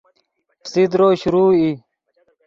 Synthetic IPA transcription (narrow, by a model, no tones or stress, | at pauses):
pʰsid̪ɾoːɕuɾuːi